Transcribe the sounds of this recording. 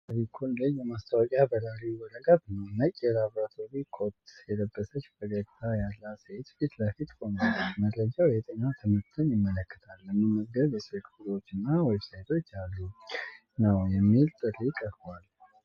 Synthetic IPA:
əɾikʰund̪ɨjːɛmast̪ʰəwɔkʼjabəlaɾiwɔləɡat̪nəwnəkʼɛlaβɾat̪ʰo̞ɾikʰot̪jɛd̪əbːəsət͡ʃːbəɡəɡt̪ʰajalːaset̪fit̪ləfit̪honəlaməd̪ɾəd͡ʒawjɛt̪ʼəɲːat̪ʰɨmɨɾt̪ʰɨnjɪmːələkːɨ̥t̪ʰalːɨnːɨməɡɡəβjɛsəkʰfulo̞t͡ʃːɨnːawɛbsajt̪ʰo̞t͡ʃːalːu | nəwjɛmːilt̪ʼɨrikʼːəɾbal

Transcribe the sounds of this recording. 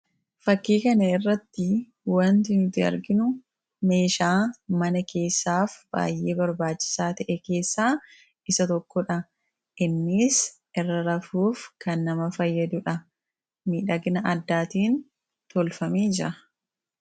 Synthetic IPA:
fɐkːiːkɐnɐɪrːɐt̪ːɪ | wɐnt̪ɪnt̪ːɪɐ̰ɾɡɪnʊ | me̞ːʃaːmɐnɐke̞ːsːaːfb̥a̰ːjʔe̞ːbɐɾbaːt͡ʃːɪ̥saːt̪ɐʔɛke̞ːsːaː | ɪsɐt̪ɔkːɔᶑɐ | ʔɪnːɪs | ɪrːɐɾɐfuːfkɐnːɐmɐfɐjːɐd̪ʊᶑɐ | miːᶑɐɡɪnɐʔɐd̪ːaːt̪iːn | t̪ɔlfɐmeːd͡ʒɪɾɐ

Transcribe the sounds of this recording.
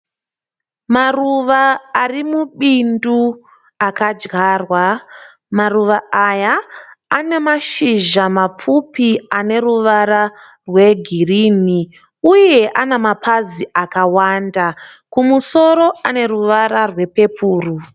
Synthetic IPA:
maruʋaːrimuɓindu | akad͡ʒɡaːrwa | maruʋaajaː | ne̞maʃiʒamap͡fupiane̞ɾuʋaɾa | rwe̞ɡʱirini | uje̞ʔanemapʰaziakawandakumuso̞ɾo̞ane̞ruʋaɾarwe̞pe̞pʰuːru

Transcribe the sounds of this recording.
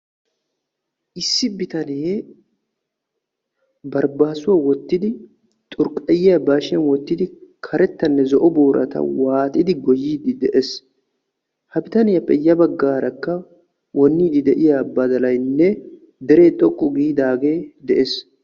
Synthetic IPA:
ʔɪsːɪbɪt̪ɐn | bɐɾbaːsʊwawɔt̪ːɪd̪ɪ | t̪ʼʊɾkʼːɐjɪjɐbaːʃɪɐnwɔt̪ːɪd̪ɪkʰɐɾɛt̪ːɐnːɛzɔʔɔboːɾʔɐ̰t̪ɐ̰waːt̪ʼɪd̪ɪɡɔjːiːd̪ɪd̪ɛʔes | hɐbɪt̪ɐnɪjɐpːɛjːɐbɐɡːaːɾɐkːɐ | wʔɔnːiːd̪ɪd̪ɛʔɪjabːɐd̪ɐlɐjnːɛ | d̪ɛɾe̞ːt̪ʼɔkʼːʊɡiːd̪aːɡe̞ːd̪ɛʔes

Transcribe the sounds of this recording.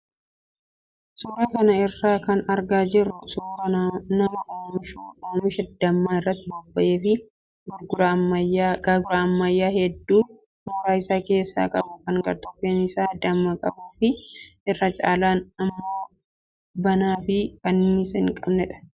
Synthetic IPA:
sʊɾaːkɐnɐɪrːaːkɐnɐɾɡaːd͡ʒɪrːʊsʊːɾɐnɐmʔoːmɪʃuːoːmɪʃɛd̪ːɐmːaːɪrːɐt̪ːɪbɔbːɐʔeːfɪ | ɡɡɐaɡɐɡʊɾaɐmːɐjːaːhɛd̪ːuː | suːɾaːɪsaːke̞ːsːa̰ːkʼɐbʊkɐŋɡɐɾt̪ɔfeːnɪsaːd̪ɐmːɐkʼɐbuːfɪʔɪrːɐt͡ʃʼa̰ːlaːnɐmːoː | bɐnaːfɪbɐnːisɛŋkʼɐbnɛᶑɐ̥

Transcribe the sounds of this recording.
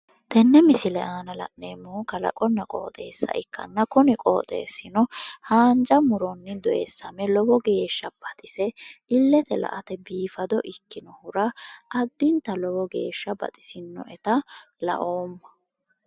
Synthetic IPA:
t̪ɛnːɛmɪsɪlɛʔaːnɐlɐ̰ʔneːmːoːkɐlɐ̰kʼɔnːɐkʼo̞̰ːt̪ʼe̞ːsːɐ̰ʔɪkːɐ̰nːɐkʊnɪkʼo̰ːt̪ʼḛːsːɪnɔhaːnd͡ʒɐmʊɾɔnːɪd̪ɔʔeːsːɐmɛlɔbɔɡe̞ːʃːɐb̥ɐt̪ʼɪsɛɪlːɛt̪ɛlɐ̰ʔɐt̪ɛbiːfɐd̪ɔʔɪkːɪnɔhʊɾɐʔɐd̪ːɪnt̪ɐlɔwɔɡe̞̰ːʃːɐbɐ̰t̪ʼɪ̥sɪnːɔ̰ʔɛt̪ɐ | lɐ̰ʔoːmːɐ

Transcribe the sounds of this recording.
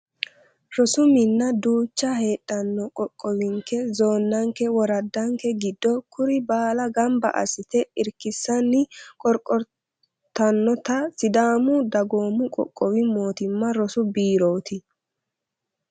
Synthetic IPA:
ɾɔsʊmɪnːɐd̪uːt͡ʃːɐhe̞ːɗʼːɐnːɔkʼɔkʼːɔwɪŋkɛzo̞ːnːɐŋkɛwɔɾɐd̪ːɐŋkːɛɡɪd̪ːɔkʰʊɾɪbaːlɐɡɐmbɐ̰ʔɐ̰sɪt̪ɛɪɾkːɪsːɐnːɪkʼɔɾkʼːɔɾ | t̪ːɐnːɔt̪ɐsɪd̪aːmʊd̪ɐɡoːmʊkʼɔ̰kʼːɔwɪmo̞ːt̪ɪmːɐɾɔsʊbiːɾo̞ːt̪ɪ

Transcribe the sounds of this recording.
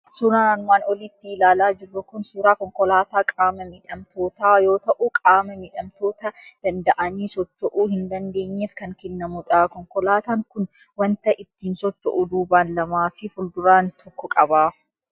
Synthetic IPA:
suːɾaːanʊmaːnɔliːt̪ːɪɪlaːlaːd͡ʒɪrːʊkʊnsuːɾaːkɔŋkɔlaːt̪aːkʼaːmɐmɪᶑɐmt̪ʰo̞ːt̪aːjo̞ːt̪ɐʔuːkʼaːmɐmɪᶑɐmt̪o̞ːt̪ɐd̪̥ɐnd̪ɐʔɐniːsɔt͡ʃːɔʔuːhɪnd̪ɐnd̪e̞ːɲːefkɐŋkɛnːɐmʊᶑɐkɔŋkɔlaːt̪aːŋkʊn | wɐnt̪ɐʔɪt̪ːiːnsɔt͡ʃːɔ̰ʔʊd̪uːbaːnlɐmaːfɪfʊld̪ʊɾaːnt̪ʰɔkːɔkʼɐbaː

